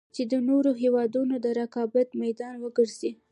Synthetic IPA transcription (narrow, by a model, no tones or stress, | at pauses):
t͡ʃed̪ənoɾoɦewɑd̪unod̪əɾakɑbat̪majd̪ɑnwəɡəɾzi